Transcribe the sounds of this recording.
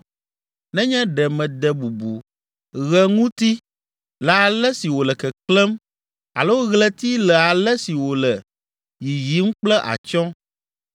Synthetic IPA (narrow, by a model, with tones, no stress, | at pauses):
nɛ̃˦ɲɛ̃˦ɖɛ˨mɛ̃˨d̪ɛ˨bu˨bu˨ | ɣɛ˦ŋũ˦t̪i˦ | lɛ˨a˨lɛ˦si˨wo˨lɛ˨kɛ˨klɛ˦m | a̰˨lo˦wo˦ɣlɛ˦t̪i˦lɛ˨a˨lɛ˦si˨wo˨lɛ˨ | ji˨ji˨˦m˦k͡plɛ˦ʔa̰˨t͡ʃɔ̃˦